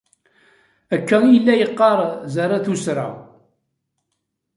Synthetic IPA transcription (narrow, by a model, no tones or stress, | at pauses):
ækːæjəlːæjəqːɑɾˤzaɾˤaθusɾa̰w